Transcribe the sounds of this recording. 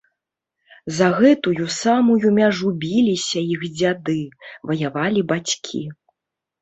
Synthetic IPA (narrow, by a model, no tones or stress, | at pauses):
zɐɣɛt̪ujusamujumʲaʐubʲilʲisʲɐixd͡zʲad̪ɨvɐjavalʲibat͡sʲkʲʰḭ